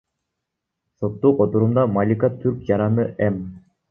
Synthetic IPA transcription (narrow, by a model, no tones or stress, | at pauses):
sot̪ːuqot̪uɾumd̪ɑmalʲikat̪ʰyɾkjɑɾɑnɯʔɛm